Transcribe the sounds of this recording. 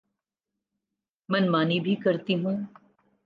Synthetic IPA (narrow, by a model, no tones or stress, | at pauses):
mɐnmaːnibʱikɐɾt̪iɦũː